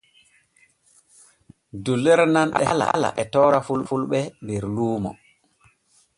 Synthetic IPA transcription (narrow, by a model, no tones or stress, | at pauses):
dulːɛɾnanɗɛ̰ala̰ala̰ʔɛtɔːɾafulɓfulɓɛmɛɾluːmɔ̰